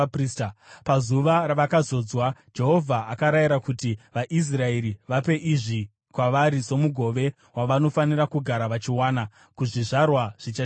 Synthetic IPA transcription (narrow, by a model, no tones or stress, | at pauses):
pristpazuʋaɾaʋakazo̞d͡zwad͡ʒe̞ɦo̞vʱaʔakaɾajiɾakutiʋaʔis̬rae̞ɾiʋape̞ʔiʐi | kwaʋaɾiso̞muɡʱo̞ʋe̞ | waʋano̞fanirakuɡʱaɾaʋat͡ʃiwaːna | kuʐiʐarwaʐ̥it͡ʃa